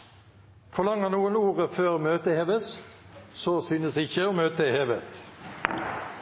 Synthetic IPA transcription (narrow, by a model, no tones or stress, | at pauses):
fɔʁlɑŋːəʁnuːənuːʁəføːʁmøːt̪əheːʋəs | sɔsyːnəsɪçəɔːmøːt̪əheːʋət̪